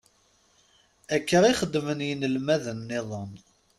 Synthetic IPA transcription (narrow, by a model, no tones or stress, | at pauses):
ækːəɾiχəd̪ːmənjənəlmæðənːɪðˤən